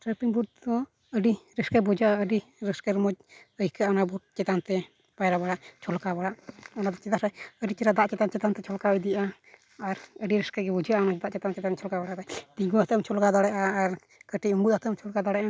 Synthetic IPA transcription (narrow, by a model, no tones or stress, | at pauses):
ʈɾɛpiŋbudd̪ɔ | əɖiɾɛskabud͡ʒaʔaəɖiɾɛskaɾmɔd͡ʒəjkaʔɔnabuʈ̚t͡ʃɛt̪ant̪ɛ | pajɾabaɽaʔt͡ʃʰɔlkabaɽaʔɔnad̪ɔt͡ʃɛt̪aɾɛəɖit͡ʃɛɾad̪aʔt͡ʃɛt̪ant͡ʃɛt̪ant̪ɛt͡ʃʰɔlkabəjd̪ijʔaː | ɾəɖiɾɛskaɡɛbud͡ʒaʔamɔd͡ʒd̪aʔt͡ʃɛt̪ant͡ʃɛt̪ant͡ʃʰɔlkabaɽaʔd̪ajd̪iɡuat̪əmt͡ʃʰɔlkad̪ɔɽɛʔaːɾ | kəʈiuŋɡut̪at̪əmt͡ʃʰɔlkad̪ɔɽɛʔa